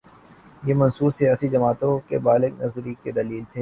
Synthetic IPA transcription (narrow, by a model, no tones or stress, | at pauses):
jemɐnsuːsijaːsid͡ʒɐmaːt̪õkebaːlɪɡnɐfzɾiked̪ɐliːlt̪ʰeː